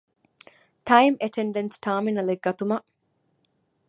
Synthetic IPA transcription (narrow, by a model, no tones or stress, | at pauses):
ʈɐjmeʈʰeɳɖensʈaːminɐleɡɡːɐt̪umɐ